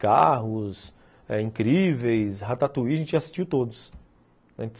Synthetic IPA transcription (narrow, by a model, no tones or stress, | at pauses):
kaɦʊs | ɛĩkɾivejsɦat̪at̪uiɐʒẽnt͡ʃɪasi̥ʃt͡ʃiwt̪od̪ʊs | ɐ̃t͡ʃɪ